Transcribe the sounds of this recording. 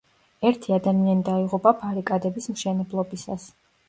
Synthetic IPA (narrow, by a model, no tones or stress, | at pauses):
ɛɾt̪ʰiad̪amianid̪aiʁupʼapʰaɾikʼad̪ɛbismʃɛnɛblˠɔbisa̰s